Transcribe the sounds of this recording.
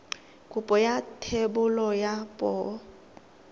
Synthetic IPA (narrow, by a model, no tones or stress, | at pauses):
kʼupʼɔjatʰebʊlɔjapʼɔː